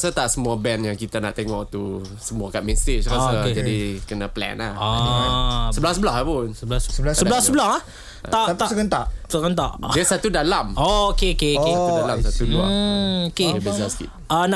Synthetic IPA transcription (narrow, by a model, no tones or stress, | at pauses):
sət̪aʔsəmuabɛnjaŋkit̪anaʔt̪ɛŋɔʔt̪u | səmuakaʔ̪̚mɛst̪ɪt͡ʃkasəd͡ʒadikənaplɛ̰naha | səbəlahsəbəlahɦapʊnsəblasəbasəblahsəbəlaha | asəkənt̪aʔsəkənt̪aʔdiəsat̪udalamookeokekeaudalamsat̪uluaokebezaski | əna